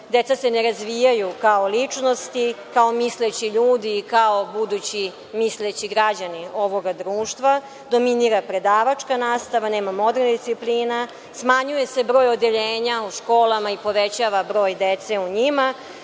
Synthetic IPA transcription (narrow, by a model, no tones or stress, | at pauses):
d̪e̞t̪sase̞neɾazʋijajukaolit͡ʂno̞st̪ikaomislet͡ɕiʎuːd̪iːkao̞bud̪ut͡ɕi | mislet͡ɕiɡɾad͡ʑanio̞ʋo̞ɡad̪ɾuːʃt̪ʋa | d̪o̞miniɾapɾe̞d̪aːʋat͡ʂkanaːst̪aʋaneːmamo̞d̪ernd̪isipliːna | smaɲuje̞se̞bɾo̞ːjod̪eʎeːɲauʃko̞ːlˠamaipo̞ʋet͡ɕaʋabɾo̞ːjd̪et̪se̞uɲima